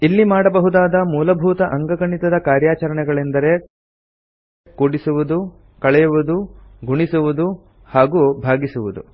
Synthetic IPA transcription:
ilːimaːɽɐbɐɦud̪aːd̪ɐmuːlɐbʱuːt̪ɐʔɐŋɡɐɡɐɳit̪ɐd̪ɐkaːɾjaːt͡ʃɐɾɐɳɛɡɐɭend̪ɐɾe̞ | koːɽisuʋud̪u | kɐɭɛjuʋud̪uɡʱuɳisuʋud̪u | haːɡuːbʱaːɡisuʋud̪ṵ

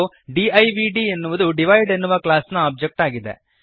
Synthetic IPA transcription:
u | ɖiɐjʋiɖiːenːuʋɐd̪uɖiʋɐjɖenːuʋɐklaːsnɐaːb̚d͡ʒek̚ʈaːɡid̪e̞̰

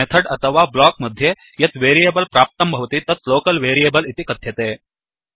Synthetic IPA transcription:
et̪ʰəɽət̪ʰəʋablɔk̚məd̪ʱːje | jet̪ʋeɾijebəlpɾap̚t̪əmbʱəʋt̪iːt̪ət͡slokəlʋeɾiebəlit̪ikət̪jet̪e

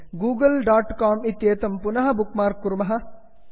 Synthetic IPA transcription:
ɡuːɡɐlɖaːʈkaːmit̪ːjeːt̪ɐmpunɐɦɐbukmaːɾkːuɾumɐɦɐ

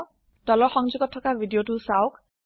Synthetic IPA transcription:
d̥ɔlɔxɔŋzuɡɔtʰːɔkabʱidijotusawk̚

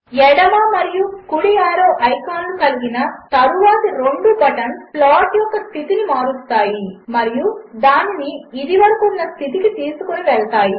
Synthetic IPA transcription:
ɛɽɐmaːmɐɾijukuɽijaːɾɐːʔɐjkaːnlukɐliɡinɐt̪ɐɾuʋaːt̪ɐɾeɳɖuɡɐʈɐnplaːʈjɔkːɐst̪ʰit̪inimaːɾust̪aːjimɐɾijud̪aːniniːd̪iʋɐɾɐkunːɐst̪ʰit̪ikit̪iːsukoniʋɛɭɐt̪aːji

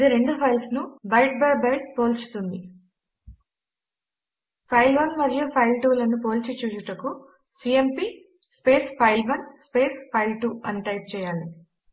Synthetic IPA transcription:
ɐd̪iɾe̞ɳɖupʰɐjlsnubɐjʈ̚bɐɾbɐjʈ̚po̞ːlt͡ʃu̥t̪und̪i | pʰɐjlʋɐnʋɐɾijɐpʰɐjlʈuːlɐnupo̞ːlt͡ʃit͡ʃuːt͡ʃuʈɐku | siempi | spe̞ːspʰɐjlʋɐnspeːspʰɐjlʈuːɐnːiʈɐjp̚t͡ʃɛːjaːɭi

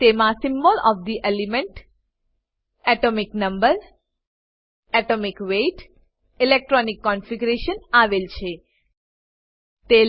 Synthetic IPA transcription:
t̪emãsɪmbɔlɔfd̪iʔelimɛɳʈ | ɛʈomiknəmbəɾ | ɛʈomikʋeʈ | ilek̚ʈɾɔnikːɔnfiɡɾeʃənaʋelt͡ʃʰe | t̪e

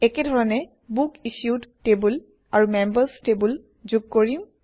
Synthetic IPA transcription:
ɛkɛdʱɔɹɔnɛ | bukisudtebul | aɹumembəstebul | zuɡ̚koɹĩ

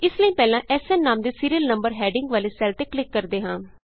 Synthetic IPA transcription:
ɪsləĩːpɛːlãːʔɛːsɛːnːaːmd̪eːsiːɾiəlnəmbəɾɦɛːɖɪŋɡʋaːleːsɛːlt̪eːklɪkːəɾd̪eːɦãː

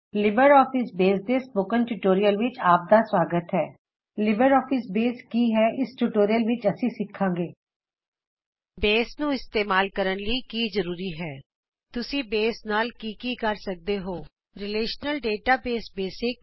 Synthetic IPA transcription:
lɪbəɾɔːfɪsbeːsd̪eːspokənʈuʈoːɾijəlʋɪt͡ʃaːp̚d̪aːswaːɡət̪ɦɛː | lɪbəɾɔːfʰɪsbeːskiːɦɛːɪsʈuʈoːɾijəlʋɪt͡ʃəsĩːsɪkʰːãːŋɡeː | beːsnũːɪst̪eːmaːlkəɾənləikiːzəɾuːɾiːɦɛː | t̪ʊsĩːbeːsnaːlkiːkiːkəɾsək̚d̪eːɦoː | ɾɪleːʃnəlɖeːʈaːbeːsbeːsɪk̚

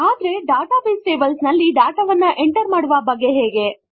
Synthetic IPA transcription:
aːd̪ɾe̞ɖaːʈaːpeːsʈeːbɐlsnɐlːiɖaːʈɐʋɐnːɐʔeɳʈɐɾmaːɽuʋɐbɐɡːe̞ɦeːɡe̞

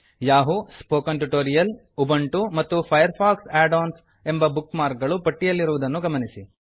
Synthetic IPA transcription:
jaːɦuspoːkɐnʈuʈoːɾijɐl | ubɐɳʈumɐt̪ːupʰɐjɐɾpʰaːksæːɖoːns | e̞mbɐbukmaːɾk̚ɡɐɭupɐʈːijɐlːiɾuʋud̪ɐnːuɡɐmɐnisi

